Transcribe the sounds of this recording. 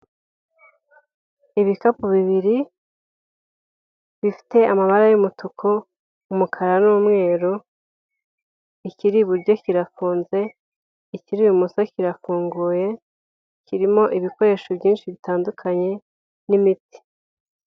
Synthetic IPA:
iβikapuβiβiɾi | βifi̥te̞amaβaɾajumutukʰo̞ | umukʰaɾanuːmŋe̞ːɾu | iciɾiβuɾɟo̞ciɾafuːnze̞ | iciɾiβumusociɾafuːŋɡuːje̞ | ciɾimo̞ʔiβiko̞ɾe̞ʃobjiːnʃiβitaːndukʰaɲe̞ | nimiti̥

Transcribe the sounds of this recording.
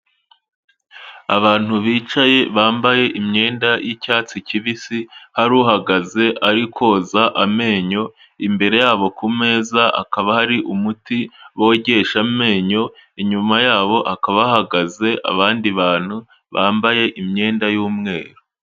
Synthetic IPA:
aβaːn̥huβiːt͡ʃaje̞βaːmbaje̞ʔimɲe̞ːndajʔicaːt͡siciβisihaɾuːɦaɡaze̞ʔaɾikʰo̞ːzaʔame̞ːɲo̞ | imbe̞ɾe̞jaːβo̞kume̞ːzaʔa̰kaβahaɾiʔumutiwoɟe̞ʃame̞ːɲo̞iɲumajaːβo̞ʔakaβahaɡaze̞ʔa̰βaːndiβaːn̥hu | βaːmbaje̞ʔimɲe̞ːndajuːmŋe̞ːɾo

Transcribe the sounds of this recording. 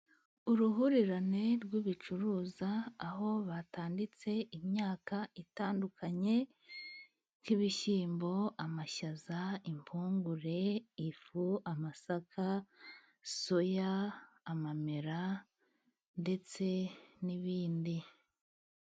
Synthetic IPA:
uɾuɦuɾiɾane̞ɾɡwiβit͡ʃuɾuːzaːɦo̞βataːndit͡se̞ʔimɲaːkaitaːndukʰaɲe̞ | kiβiʃiːmbo̞amaʃazaimpʰuːŋɡuɾe̞ifuamasakʰa | sojaː | mameɾa | nde̞t͡se̞niβiːndi

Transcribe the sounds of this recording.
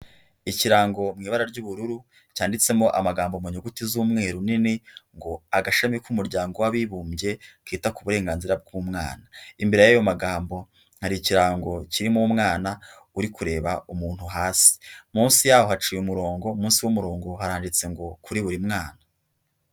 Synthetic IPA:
iciɾaːŋɡo̞mŋiːβaɾaɾɟuːβuɾuɾu | caːndit͡se̞mo̞ʔa̰maɡaːmbomuɲuɡutizuːmŋe̞ːɾuniniŋɡo̞aɡaʃamikumuɾɟaːŋɡo̞waβiβuːmje̞kiːtakuβuɾe̞ːŋɡaːnziɾab̚ɡuːmŋa̰ːnaimbeɾejajo̞maɡaːmbo̞ | haɾiciɾaːŋɡo̞ciɾimumŋaːna | uɾikuɾe̞ːβaumuːn̥huɦaːsi̥muːnsijaːhohat͡ʃiːjumuɾo̞ːŋɡo̞muːnsiwumuɾo̞ːŋɡo̞haɾaːndit͡se̞ŋɡo̞kʰuɾiβuɾimŋaːna

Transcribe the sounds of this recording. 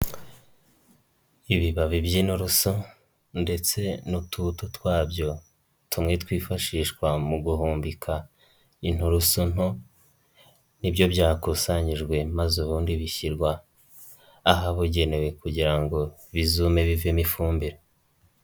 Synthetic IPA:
iβiβaβibjin̥uɾusu | nde̞t͡se̞nutʰutotwaːbjo̞ | tumŋe̞twiːfaʃiːʃkwamuɡuɦuːmbikʰa | in̥uɾusun̥ho | nibjo̞bjaːkusaɲiʒɡwe̞mazuβuːndiβiçiɾɡwa | ɦaβuɟe̞ne̞we̞kuɟiɾaŋɡo̞ | βizume̞βivimifuːmbiɾe

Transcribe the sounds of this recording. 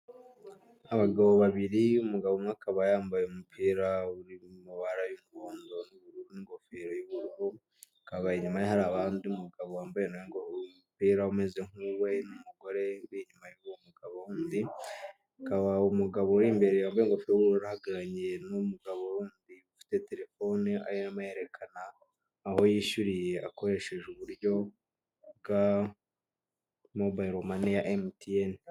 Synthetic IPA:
aβaɡaβo̞βaβiɾiumuɡaβo̞mŋaːkaβajaːmbajeumupʰiːɾauɾimuβaɾajumuɡoːndo̞nuβuɾuɾuniŋɡo̞feɾojoβuɾɾu | kaβajeɲumajehaɾaːβaːndiumuɡaβowaːmbajenjeŋɡoupiːɾaume̞zeŋuwe̞numuɡo̞ɾe̞βiɲumajoβomuɡaβowuːndi | kaβaumuɡaβo̞ɾiːmbe̞ɾejaːmbajeŋɡopiɾoβuɾoɾahaɡaɾaɲenumuɡaβowuːndiufi̥te̞te̞ɾe̞fo̞nia̰ɾinamaje̞ɾe̞kʰanaː | ho̞jiːʃuɾije̞ʔako̞ɾe̞ʃe̞ʒuβuɾjo̞ | bɡa | mobajɾomanejaʔemtien

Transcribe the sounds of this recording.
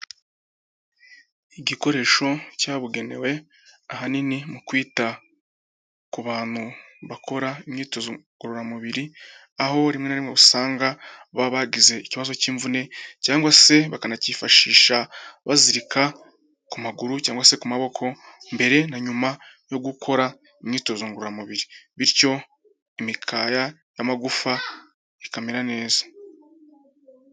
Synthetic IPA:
iɟiko̞ɾe̞ːʃo̞caːβuɡe̞ne̞̰we̞ | aɦaninimukwiːta | kuβaːn̥huβakʰo̞ɾaimɲiːto̞zoɡ̥uɾoɾamuβiɾi | aho̞ɾimŋe̞naɾimŋeβusaːŋɡaβaβaɡize̞iciβazo̞ciːɱvune̞caːŋɡwase̞βakanacifaʃiːʃaβaziɾikʰa | kumaɡuɾucaːŋɡwase̞kumaβo̞kʰo̞ | mbe̞ɾe̞naɲuma | jo̞ɡukʰo̞ɾa | imɲiːto̞zoŋɡuɾuɾamuβiɾiβiɾco̞ | imikʰaːja | jamaɡufa | ikameɾane̞ːzḁ

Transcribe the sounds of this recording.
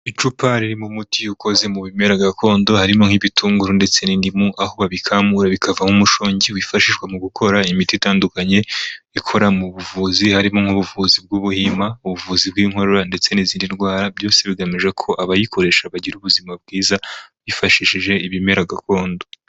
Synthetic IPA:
it͡ʃupaɾiɾimumutiuko̞ze̞muβime̞ɾaɡako̞ːndo̞haɾimoŋhiβitʰuːŋɡuɾunde̞t͡se̞nindimuʔaho̞βaβikʰamuɾaβikʰavamumuʃoːɲɟiwifaʃiʃɡwemuɡukʰo̞ɾaimititaːndukaɲe̞ | ikʰo̞ɾamuβuvuzihaɾimoŋ̥uβuvuzib̚ɡuβuhimauβuvuzib̚ɡiːŋhwoɾoɾande̞t͡se̞niziːndinɡwaːɾabjo̞ːse̞βiɡamiʒe̞kʰo̞ʔaβajikʰo̞ɾe̞ʃaβaɟiɾuβuzimab̚ɡiːzaβifaʃiʃiʒe̞iβime̞ɾaɡako̞ːndo̞

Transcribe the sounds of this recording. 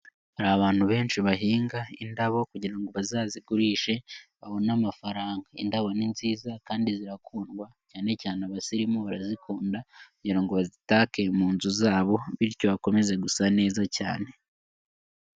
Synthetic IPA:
haɾaβaːn̥huβe̞ːnʃiβaɦiːŋɡaindaβo̞kuɟiɾaŋɡo̞βazaːziɡuɾiːʃe̞βaβo̞namafaɾaːŋɡaḭndaβo̞ninziːzakaːndiziɾakʰuːnɡwacaːne̞caːneaβasiɾimoβaɾazikʰuːndakuɟiɾaŋɡo̞βazitaːke̞muːnzuzaːβo̞βiɾco̞βako̞me̞ze̞ɡusane̞ːzaca̰ːne̞

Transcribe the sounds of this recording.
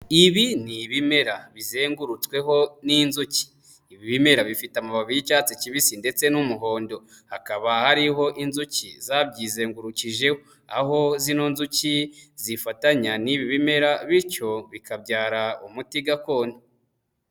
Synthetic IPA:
iβiniβime̞ɾaβize̞ːŋɡuɾut͡swe̞ɦo̞ninzuci̥ː | βiβime̞ɾaβifitamaβaβijicaːt͡seciβisinde̞t͡se̞numuɦo̞ːndo̞ | hakaβahaɾiɦo̞ʔinzucḭzabɟiːze̞ːŋɡuɾuciʒe̞ho | a̰ɦo̞zino̞nzucizifataɲaniβiβime̞ɾaβiɾco̞βikabɟaːɾaumutiɡako̞ːna

